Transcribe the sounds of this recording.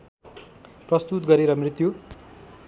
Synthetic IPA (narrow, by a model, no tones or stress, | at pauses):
prʌst̪ut̪̚ɡʌɾeɾʌmrit̪ju